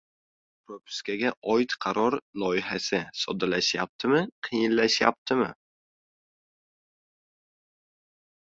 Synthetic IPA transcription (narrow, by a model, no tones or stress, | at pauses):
pʰɾopʰʊ̥skʲaɡʲaʔɒjt̪qʰɑɾɒɾlˠɒjɪɦasɪsɒ̰d̪alaʃjap̚t̪ʰɪmɪqʰɨjɪnlaʃja̰p̚t̪ʰɪmɪ̰